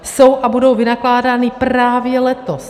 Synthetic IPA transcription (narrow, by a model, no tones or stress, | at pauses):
so̞wʔabudo̞wvɪnaklaːdaːnɪpraːvjɛlɛt̪os